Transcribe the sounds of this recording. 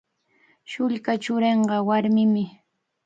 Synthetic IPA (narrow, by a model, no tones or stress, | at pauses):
ʃʊʎkat͡ʃʊɾeɴɢɑwaɾmɪmɪ